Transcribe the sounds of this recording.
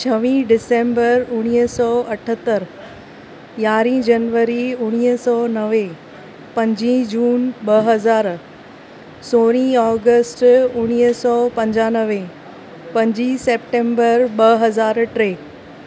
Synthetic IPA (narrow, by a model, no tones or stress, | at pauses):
t͡ɕʰɐʋĩɖɪsẽːmbəɾʊɽ̃iɦsɔːɐʈʰət̪ːəɾ | jaːɾĩd͡ʑɐnʋəɾiʊɽ̃iɦsɔːnɐʋe | pɐ̃ɲd͡ʑĩd͡ʑuːnɓɐɦɐzaːɾ | soːɽ̃ĩɔːɡəsʈʊɽ̃iɦsɔːpɐ̃ɲd͡ʑaːnəʋe | pɐ̃ɲd͡ʑiseːpʈẽːmbəɾɓɐɦɐzaːɾʈɾeː